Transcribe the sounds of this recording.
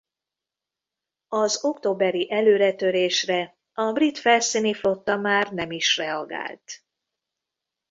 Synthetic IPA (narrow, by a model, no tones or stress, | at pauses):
ɒzo̞kt̪oːbɛɾiʔɛløːɾɛt̪ø̞ɾeːʃrɛ | ɒbrit̪fɛlsiːniflo̞t̪ːɒmaːrnɛmiʃrɛɒɡa̰ːlt̪